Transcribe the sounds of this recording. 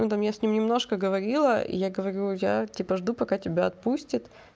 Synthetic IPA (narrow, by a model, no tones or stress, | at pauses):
ut̪amjasʲnʲimnʲɪmno̞ʂkəɡəvɐɾʲilˠəʔḭjaɡəvɐɾʲujatʲipəʐd̪upɐkatʲɪbʲaɐt̪̚pusʲtʲɪt̪